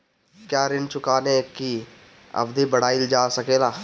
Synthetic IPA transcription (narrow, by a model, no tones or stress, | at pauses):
kjaːɾɪnt͡ʃʊkaːneki | ɐ̰bd̪ibɐɽ̤aːild͡ʒaːsɐkeːlaː